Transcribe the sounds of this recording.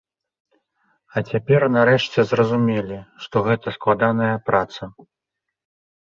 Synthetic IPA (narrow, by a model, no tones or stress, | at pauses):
ɐt͡sʲapʲɛrnaɾɛʂt͡sʲɛzrɐzumʲɛlʲiʂt̪ɔɣɛt̪ɐsklˠad̪an̪ɐjɐpɾat̪sɐ